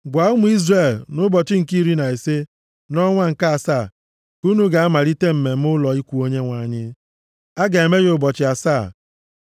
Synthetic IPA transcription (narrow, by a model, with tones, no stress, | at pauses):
ɡʷa˨˦u˦mʊ˦i˦zre˦˨lnʊ˦bɔ˨t͡ʃɪ˦ŋ̩˨ki˦ɾi˦na˨e˨se˦ | nɔ˦ŋʷa˦ŋ̩˨ka˦a˨saː˦˨ | ku˦nu˦ɡa˨a˦ma˨ɾi˦te˦m̩˨me˨m̩˦ʊ˦lɔ˨i˦kʷu˨o˦ɲe˦ŋʷa˨ɲɪ˦ | a˦ɡa˨e˨me˦ɣʊ˨bɔ˨t͡ʃɪ˨˦a˨saː˦˨